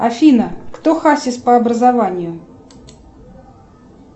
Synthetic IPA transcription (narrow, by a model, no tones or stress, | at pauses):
ɐfʲinəkt̪oxasʲɪspəɐbɾəzɐvanʲɪjʊ